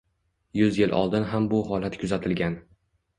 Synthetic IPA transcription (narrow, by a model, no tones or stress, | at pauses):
jʊzjɪlʔɒ̰lˠd̪ɪnɦambʊɦɒlat̪kʰʊzat̪ʰɪlɡʲan